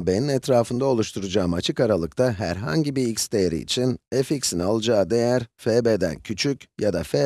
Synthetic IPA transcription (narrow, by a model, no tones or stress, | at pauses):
be̞ninɛt̪ɾaːfɯnd̪ao̞lˠuʃt̪ʰuɾud͡ʒaːmat͡ʃʰɯkaɾalˠɯkt̪ʰaɦæ̰ɾɦa̰ɲɟibiicst̪ʰeɾḭḭt͡ʃʰineficsinalˠɯd͡ʒaːd̪e̞jæɾfebed̪æ̰ncʰyt͡ʃʰycjad̪afe